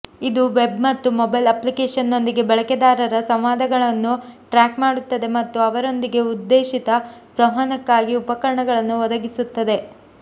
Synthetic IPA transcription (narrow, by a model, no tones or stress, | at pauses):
id̪uʋe̞bmɐt̪ːumɔbɐjlɐplikeːʂɐnːo̞nd̪iɡe̞bɐɭɐked̪aːɾɐɾɐsɐmʋaːd̪ʱɐɡɐɭɐnːuʈɾaːkmaːɽut̪ːɐd̪e̞mɐt̪ːuɐʋɐɾo̞nd̪iɡe̞ud̪ːeːʃit̪ɐsɐɦɐnɐkːaːɡiupɐkɐɾɐɳɐɡɐɭɐnːuʋɔd̪ɐɡisut̪ːɐd̪e̞